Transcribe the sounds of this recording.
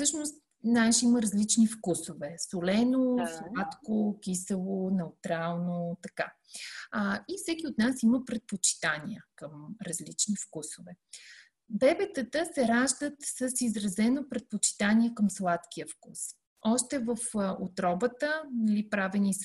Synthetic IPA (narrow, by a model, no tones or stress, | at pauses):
fsɤʃnost̪ | naʃiməɾɐzlit͡ʃnifkusovɛsolɛnoslˠat̪kok̟ʲisəlˠonɛut̪ɾalˠnot̪ɐka̰ | ifsɛk̟ʲiot̪nasiməpɾɛt̪̚pot͡ʃi̥t̪aniəkəmɾɐzlit͡ʃnifkusovɛ | bɛbɛt̪ət̪əsɛɾaʒd̪ət̪səsizɾɐzɛnopɾɛt̪̚pot͡ʃi̥t̪aniɛkəmslˠat̪kiəfkus | ɔʃt̪ɛvəfo̰t̪ɾɔbət̪ənɐlipɾavɛnis